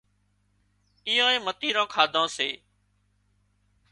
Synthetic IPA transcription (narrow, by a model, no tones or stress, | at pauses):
ijõːẽːmət̪iːɾãːkʰaːd̪ʱãːseː